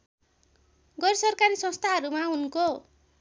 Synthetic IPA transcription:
ɡʌɾsʌrkaɾisʌ̃st̪ʰaɦʌɾumaunko

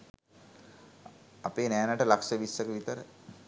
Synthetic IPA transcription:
apeːnɛːnaʈəlakʂəʋisːəkəʋit̪əɾə

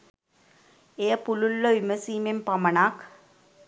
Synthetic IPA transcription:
ejəpululːoʋiməsiːmempɐmɐnaːk

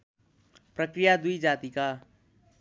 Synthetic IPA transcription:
pɾəkɾɪjad̪ʊid͡ʒaːt̪ikaː

